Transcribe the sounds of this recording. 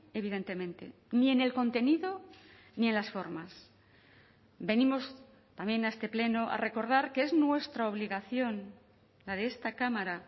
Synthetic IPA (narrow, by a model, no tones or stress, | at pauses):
e̞β̞iðe̞nt̪e̞mẽ̞nt̪e̞̰ | nie̞ne̞lko̞nt̪e̞niðo̞ | nie̞nlasfo̞ɾmas | be̞nimo̞s | t̪ambje̞naest̪e̞ple̞noʔa̰re̞ko̞ɾðaɾkeeznwe̞st̪ɾaoβ̞liɣaθjo̞n | laðe̞est̪akamaɾa